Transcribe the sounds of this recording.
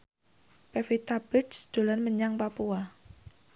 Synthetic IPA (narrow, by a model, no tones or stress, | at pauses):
pɛfit̪abɪtsd̪̥o̤lanməɲaŋpapua